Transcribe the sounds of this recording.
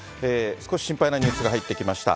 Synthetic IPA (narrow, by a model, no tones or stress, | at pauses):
eːsɨ̥ko̞ɕi̥ɕĩmpainaɲɨ̟ːsɨɡaɦait̪ːe̞kʲimaɕi̥t̪a̰